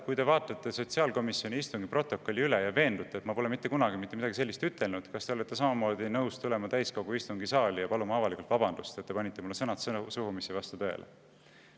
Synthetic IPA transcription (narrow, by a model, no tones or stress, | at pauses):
kujt̪e̞vɑːt̪ˑːɑt̪ːˑe̞so̞t̪siɑːlko̞misjo̞nʲiist̪uŋɡipro̞t̪ːˑo̞kːˑo̞lʲːiylejɑve̞ːnd̪̥ut̪ːˑet̪mɑpo̞le̞mit̪ːe̞kunɑɡimit̪ːˑemid̪ɑɡise̞lʲːist̪yt̪ːˑe̞lnud̪̥kɑst̪e̞o̞let̪ːˑe̞s̬ɑmɑmo̞ːd̪inɤwst̪ule̞mɑt̪æjsko̞ɡ̥uist̪uŋɡisɑːlijɑpɑlumɑɑvɑlikult̪vɑbɑnd̪̥ust̪et̪ːe̞pɑnʲit̪ːe̞mulːesɤnɑt̪sɤsuhumisivɑst̪ut̪ø̞ḛlʔḛ